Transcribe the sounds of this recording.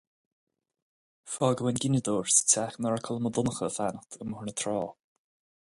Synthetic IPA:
fɔːɡəwɛnɡɪnʲəd̪oːɹsə̥t͡sʰaxnɔɹakʰəlˠəməd̪ʊnəxəfanəxt̪ʰəmhʊɳət̪ʰɾɔː

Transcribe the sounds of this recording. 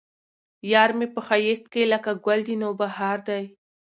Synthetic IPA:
jɑɾmepəxajest̪̚keləkaɡwald̪inobahaɾd̪aj

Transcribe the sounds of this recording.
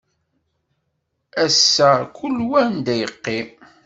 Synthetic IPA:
æsːækulːwænd̪æjəqːi

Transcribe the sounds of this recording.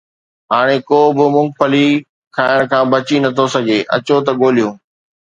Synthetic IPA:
ɦaːɽ̃ekoːbɪmʊ̃ŋpəli | kʰaːɪɽ̃kʰãːbɐt͡ɕinɐt̪ʰosɐɡeːʔɐ̰t͡ɕot̪̬ɐɠoːlijõː

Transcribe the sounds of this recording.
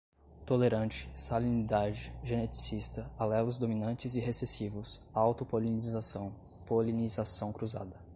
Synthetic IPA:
t̪oleɾɐ̃nt͡ʃɪ̥salinid̪ad͡ʒɪʒẽnet͡ʃi̥sist̪ɐalɛlʊzd̪ominɐ̃nt͡ʃɪzɪɦesesivʊsawt̪ʊpolizsɐ̃w̃ | polinizasɐ̃w̃kɾuza̰d̪ɐ

